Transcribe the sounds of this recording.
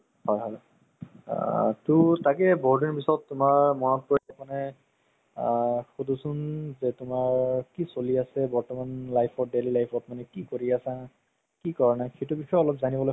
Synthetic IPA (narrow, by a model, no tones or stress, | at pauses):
hɔjɦɔj̰ | tʊtakɛbɔɦudinpisɔtːʊmaɹmɔnɔt̚pɔɹkmanɛ | xudʱusʊnzɛtʊmaɹkisoliasɛbɔɹtɔmanlajpʰɔdelilajpʰɔtmanɛkikoɹiasa | kikɔɹnajxejtubixɔjɔlɔp̚zanibɔlo